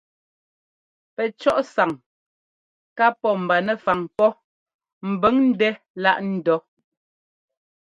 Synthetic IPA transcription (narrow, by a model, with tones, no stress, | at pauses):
pɛ˨t͡ʃɔ˦ʔsa˨ŋ | ka˦pɔ˦m̩˨ba˨nɛ˨fa˨ŋpɔ˦ | m̩˨bɛ˨˦ŋn̩˦dɛ˦ | la˦ʔn̩˦dɔ˨˦